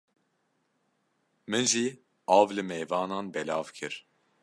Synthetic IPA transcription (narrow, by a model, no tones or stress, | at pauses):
mɨnʒi | aːvlɨmɛjvaːnanbɛlaːvkʰɪɾ